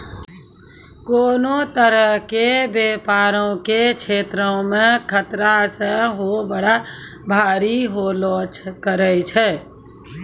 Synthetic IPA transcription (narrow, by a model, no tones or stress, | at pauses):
koːnot̪əɾəɦkebepaɾõket͡ʃʰet̪ɾəmekʰət̪ɾasə̃ɦobəɽa | bʱaːɾiɦolɔ̃t͡ʃkəɾəjt͡ʃʰɛː